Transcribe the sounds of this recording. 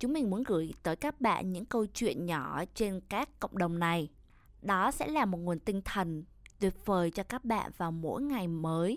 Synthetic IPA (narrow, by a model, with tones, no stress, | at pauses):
t͡ɕʊ˨˦ŋ͡mmï˨˩ŋmu˨˦ənɣɨ̰˧˩əjt̪əː˨˦jkaː˦˥k̚ɓa̰ː˧˨nɲɨ̰˧˥ŋkə˧wt͡ɕwḭ˧˨ənɲɔ˧˩t͡ɕe˧nkaː˦˥kːə̰˧˨wŋ͡mɗə˨˩wŋ͡mna˨˩j | ɗɔ˨˦sɛ̰˧˥laː˨˩mo˨˩t̚ŋu˨˩ənt̪ï˧ŋ̟t̪ʰə˨˩nt̪wi˨˩ət̚vəː˨˩jt͡ɕɔ˧kaː˦˥k̚ɓa̰ː˧˨nvaː˨˩wmo̰˧˥jŋa˨˩jməː˨˦j